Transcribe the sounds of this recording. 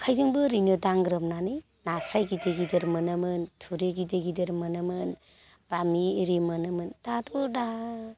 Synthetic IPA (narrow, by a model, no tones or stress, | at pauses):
kʰajzɯŋbɯɾinodaŋɡɾɯmnanɯj | nasɾajɡideɡidɯɾmɯnɯmɯntʰuɾeɡideɡidɯɾmɯnɯmɯn | b̥amiɾimɯnɯmɯnd̥adɔda